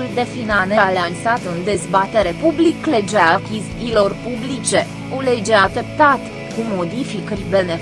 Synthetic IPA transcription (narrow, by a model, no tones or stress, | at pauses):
uld̪e̞finanealansat̪ɨnd̪e̞zbat̪e̞ɾe̞publikle̞d͡ʒeakʲizilo̞rpublit͡ʃe̞ | ole̞d͡ʒeat̪e̞p̚t̪at̪ | kumo̞d̪ifikərʲbe̞ne̞